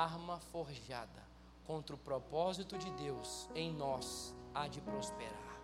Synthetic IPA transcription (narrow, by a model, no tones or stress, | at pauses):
aɾmɐfoɾʒad̪ɐ | kõnt̪ɾʊpɾɔpɔzit̪ʊd͡ʒɪd̪ewsẽj̃nɔsad͡ʒɪpɾospeɾa̰ɾ